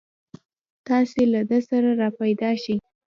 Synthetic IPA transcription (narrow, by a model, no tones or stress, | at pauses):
t̪ɑselad̪əsaɾaɾɑpajd̪ɑʃi